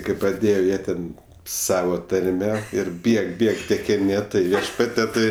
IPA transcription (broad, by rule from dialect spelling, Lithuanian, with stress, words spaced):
kɐɪ prɐˈdʲeːjɛ ˈjiɛ tʲɛn ˈsɑːʋɐ tɐrʲˈmʲɛ ɪr ˈbʲiɛk ˈbʲiɛk tʲɛkʲɪˈnʲɪ ˈtɐɪ ˈʋʲiɛʃpɐtʲiɛ ˈtɐɪ